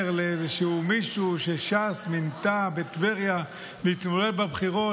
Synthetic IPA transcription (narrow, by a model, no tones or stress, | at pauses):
ʁleezeʃeumiʃuʃeʃasmint̪abet̪veʁja | leit̪molelbabχiʁo̞